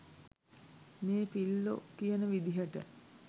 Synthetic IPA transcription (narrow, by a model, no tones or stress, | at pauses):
meːpilːo̰kijənəʋid̪iɦəʈə̰